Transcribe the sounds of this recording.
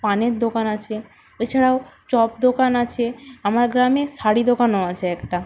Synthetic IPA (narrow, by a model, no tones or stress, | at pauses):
paneɾd̪okanat͡ɕʰe | et͡ɕʰaɽaot͡ɕɔp̚d̪okanat͡ɕʰeamaɾɡɾamesaɽid̪okanoat͡ɕʰeɛkʈa